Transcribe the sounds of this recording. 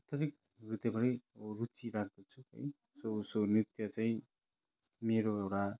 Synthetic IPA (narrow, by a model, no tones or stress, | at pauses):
at̪ʌɾik̚ | rut̪jʌbʌɾʌjrut͡siɾak̚ʰd̪ʌt͡sʰuɦʌ̰j | sosonit̪jʌt͡saĩ | meɾoewʈa